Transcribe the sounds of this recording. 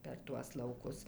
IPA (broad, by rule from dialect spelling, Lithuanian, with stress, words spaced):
pʲɛr ˈtuɔs lˠɐʊˈkʊs